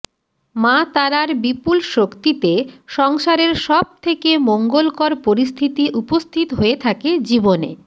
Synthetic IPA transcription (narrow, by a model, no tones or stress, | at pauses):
mat̪aɾaɾbipulʃokt̪it̪eʃɔŋʃaɾeɾʃɔb̚t̪ʰekemoŋɡolkɔɾpoɾist̪ʰit̪iʔupost̪ʰit̪oɦoet̪ʰaked͡ʑibonḛ